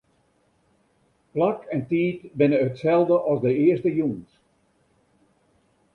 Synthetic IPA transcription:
plakʰɛntiːtbɪnəətsɛlˠdəʔɑlˠzdəɪəstəjuŋs

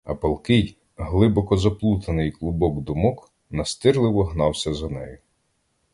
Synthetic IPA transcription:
ɐ̰pɐlˠkɪj | ɦlˠɪbɔkɔzɐplˠut̪ɐnɪjklˠʊbɔɡd̪ʊmɔk | nɐst̪ɪrlˠɪwɔɦnɑwsʲɐzɐnɛ̰jʊ

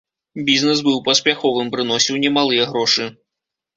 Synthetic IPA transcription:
bʲiznɛs̬bɨwpɐspʲaxɔvɨmpɾɨnɔsʲiwnʲɛmalˠɨjɛɣɾɔʂɨ

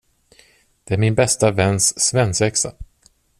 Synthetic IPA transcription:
d̪̥ɛæɾmɪnbɛst̪avɛnːsːvɛnsɛksa

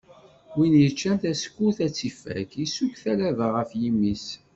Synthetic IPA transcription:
winjət͡ʃːænt̪æskːuθæt͡sːifæ̰kisukθælævəʁəfjimːis

